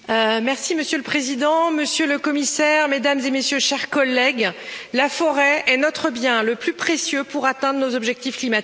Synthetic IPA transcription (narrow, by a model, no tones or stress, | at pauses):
mɛʁsiməsjøləpχezid̪ɑ̃məsjøləkɔmisɛʁmed̪amzemesjøʃɛʁkɔlɛɡlafɔʁɛɛnɔt̪χəbjɛ̃ləplypχesjøpuʁat̪ɛ̃d̪ʁənozɔbʒɛk̚t̪ifklimat̪i̥